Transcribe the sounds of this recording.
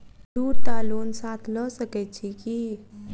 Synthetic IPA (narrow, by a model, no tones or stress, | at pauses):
ɖuːɾt̪alonsat̪ʰlɔsəkɛt͡ʃʰiki